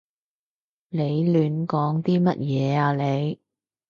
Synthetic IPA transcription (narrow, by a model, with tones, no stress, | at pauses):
le˨˧jlyː˨˧nkɔː˨˥ŋt̪iː˥mɐ˥t̚jɛː˨˦aː˧le˨˧j